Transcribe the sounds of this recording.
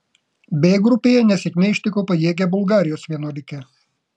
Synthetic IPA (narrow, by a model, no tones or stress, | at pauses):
bʲeːɡɾʊpʲeːjɛnʲɛsʲɛkʲnʲɛɪʃʲt̪ʲɪkoːpɐjeːɡʲɛbʊlˠɡɑːɾʲɪjoːsʋʲiɛnoːlʲɪkʲɛ